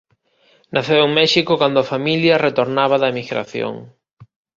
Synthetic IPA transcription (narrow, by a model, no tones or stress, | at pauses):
nʔaθewuŋmɛʃikʊkand̪ʊafamiljɐret̪oɾnaβɐðɐemiɣɾa̰θjo̰ŋ